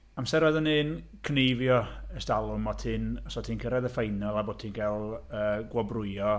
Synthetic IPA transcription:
amsɛɾvɛðənɨːn | kʰnejvjɔəstalˠʊmɔtʰɨnɔsɔtʰiːnkʰəɾɛðəfejnɔlˠabo̥ːtʰinɡɛlˠəːɡwɔbrʊjɔ

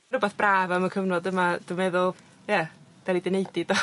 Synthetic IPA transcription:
ɾəbaθb̥raːvamakʰəvnɔdəmad̥umɛðʊlˠ | jɛ | v̥ɛlˠidɪnejdɪd̥ɔ

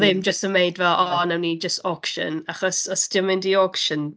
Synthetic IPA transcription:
ðɪmd͡ʒəstəmejdvɛlˠʔɔnɛwnid͡ʒəstɔkʃə̰naχɔsɔstɪəmɪndiɔkʃən

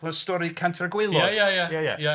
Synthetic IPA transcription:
ɔstɔɾikʰantʰəɡwɪlˠɔajajajaja̰ja

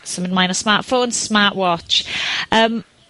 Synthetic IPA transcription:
sə̃mɪ̃nmãɪ̃nəsmaˑʔfõːnsmaˑʔwɒt͡ʃəm

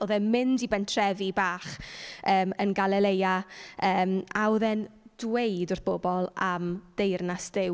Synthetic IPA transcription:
oðɛnmɪndibɛntʰrɛvibaːχəːmənɡalˠɛlejaəːmawðɛnd̥wejdʊrθb̥ɔbɔlˠamd̥ejrnasd̥ɪw

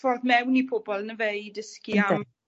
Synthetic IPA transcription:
fɔrðmɛwnipʰoːbɔlˠənəvejdəskiam

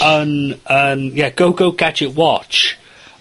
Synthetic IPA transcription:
ənənjɛɡ̥oʊɡoʊɡad͡ʒɪʔwɔt͡ʃ

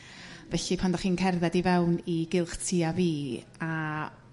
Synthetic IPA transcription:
vɛɬipʰandaχiːnkʰɛrðɛdivɛwniɡɪlˠχtʰiːaviː | a

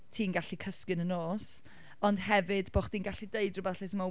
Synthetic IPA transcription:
tʰiːnɡaɬikʰəskɨnənoːs | ɔnd̥hɛvɨdboːχd̥iːnɡaɬideɨdrʊbɛθɛθəma

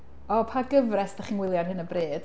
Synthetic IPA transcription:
ɔpʰaɡəvrɛsd̥aχiːnwɪlˠjadɦɨnəbreːd̥

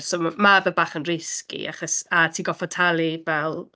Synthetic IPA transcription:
soːmabɛbaːχənrɪskḭʔa̰χɔsatʰiːɡɔfɔtʰalˠivɛlˠ

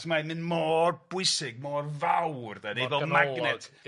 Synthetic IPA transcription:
smamɨnmɔːrb̥ʊɨsɪɡ̚mɔːrvawrðɛnejðɔlmaɡnɛtʰ

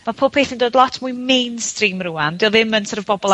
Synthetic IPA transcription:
mapʰoːb̚pʰeːθindoːdlˠɔtʰmuɨmejnstriːmruːandɪlˠɪmːənsʰəɾəvbɔbɔlˠ

